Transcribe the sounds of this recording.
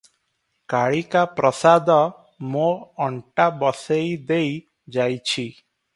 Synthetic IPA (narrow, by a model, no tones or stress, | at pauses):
kaɭikapɾɔsad̪ɔ | mõɔɳʈabɔsejd̪ej | d͡ʒajt͡ʃʰi